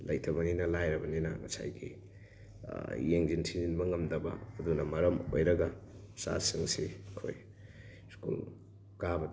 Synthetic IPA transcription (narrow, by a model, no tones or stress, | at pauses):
lɐjtʰɐβɐninɐlajɾɐbɐninɐmɐsa̰jɡḭ | jeŋd͡ʒintʰininbɐŋɐmd̪ɐbɐ̰ːd̪unɐmɐɾɐmojɾɐɡɐ | sa̰siŋsiɐkʰo̰j | skṵl | kabɐ